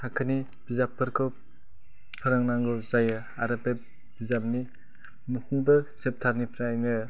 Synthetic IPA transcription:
akʰɯni | b̥izapʰːɯɾkʰow | pʰɯɾaŋnaŋɡɔwzajɯ | aɾape | b̥izap̚ni | mukʰunbɯsep̚tʰaɾnipʰɾajnɯ

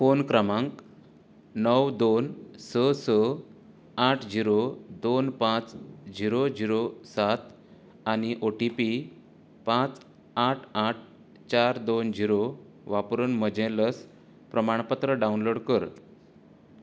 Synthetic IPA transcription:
fonkɾəmãŋk | nəwd̪onsəsə | aʈʰd͡ʑiɾod̪onpãt͡sd͡ʑiɾod͡ʑiɾosat̪ | añiʔoʈipi | pãt͡s | aʈʰaʈ̚ʰ | t͡ɕaɾd̪ond͡ʑiɾo | ʋapɾunməd͡ʑɛ̃ləs | pɾəmaɳ̃pət̪ɾəɖawnloɽkəɾ

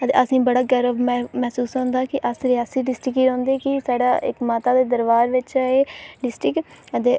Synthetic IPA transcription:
ət̪eːəsĩːbəɽaːɡəɾəbmɛːsuːsãːnd̪aːkɪʔəsɾɪjaːsiːɖɪsʈɾɪkiːɾɔ̃ːnd̪eːkɪsaːɖa̰ːʔɪ̰kmaːt̪aːd̪eːd̪əɾʋaːɾʋɪt͡ʃaeːɖɪsʈɪkət̪eː

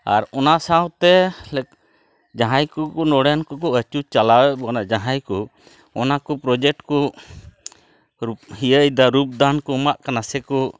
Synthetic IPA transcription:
a̰ɾɔnasawt̪ɛlɛk̚ | d͡ʒaɦajkukɔnɔɽankɔkɔət͡ʃut͡ʃalawɛbɔnaʔd͡ʒaɦajku | ɔnakɔpɾɔd͡ʒɛk̚ʈkɔ | ɾup̚hijəjd̪aɾup̚d̪ankɔmaʔkanasɛkɔ

